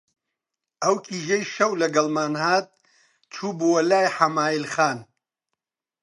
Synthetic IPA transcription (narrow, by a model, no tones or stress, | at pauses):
ɐwkʰiːʒejʃɐwlɐɡɐlˠmaːnhaːt̪̚ | t͡ʃʰuːbuwɐlaːjħamaːilxaːn